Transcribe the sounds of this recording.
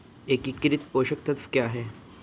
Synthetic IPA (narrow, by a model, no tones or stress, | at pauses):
ekikːɾit̪̚poɕəkt̪ʰət̪fkjaɦe